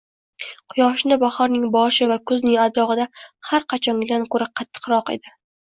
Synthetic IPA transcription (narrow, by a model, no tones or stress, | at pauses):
qʰʊjɒʃnɪbaχɒɾnɪŋbɒʃɪvakʰʊznɪŋad̪ɒʁɨd̪ahaɾqʰɑt͡ʃʰɒŋɡɪlankʰɵɾɪqʰɑt̪ʰːɨ̥qɾɒqḛd̪ɪ